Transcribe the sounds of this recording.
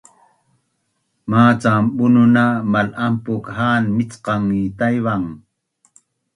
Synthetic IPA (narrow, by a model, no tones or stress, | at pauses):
maːt͡sambʊnʊnamalampʊkhaːnmɪt͡sqɑŋːit̪ajwaŋ